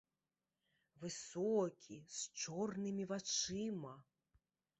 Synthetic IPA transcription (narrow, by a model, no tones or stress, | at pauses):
vɨsɔkʲʰist͡ʂɔrnɨmʲivat͡ʂɨmɐ